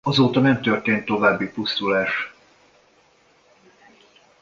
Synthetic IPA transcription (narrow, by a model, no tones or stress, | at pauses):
ɒzoːt̪ɒnɛmt̪ørt̪eːnt̪ːo̞vaːbːipust̪ulaːʃ